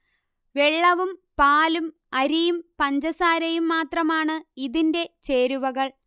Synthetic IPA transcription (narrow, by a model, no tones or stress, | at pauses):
ʋeɭːɐʋumpaːlum | ɐɾijumpɐɲd͡ʑɐsaːɾɐjumːaːt̪rɐmaːɳɨiðinde̞t͡ɕe̞ːɾuʋɐɣɐɭ